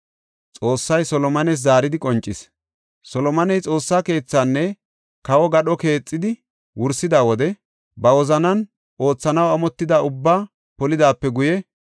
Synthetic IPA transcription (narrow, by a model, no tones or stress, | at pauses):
t͡sʼo̞ːsːɐjsɔlɔmɐnɛs̬zaːɾɪd̪ɪkʼɔnt͡ʃʼːɪs | sɔlɔmɐnɛjt͡sʼo̞ːsːaːke̞ːt͡sːanːɛ | kɐwɔɡɐɗɔke̞ːt͡sʼːɪd̪ɪ | wʊɾsːɪd̪aːwɔd̪ɛ | bɐwɔzɐnɐn | o̞ːt͡sːɐnɐwɐmɔt̪ːɪd̪aʊbːaː | pɔlɪd̪aːpːɛɡʊjɛ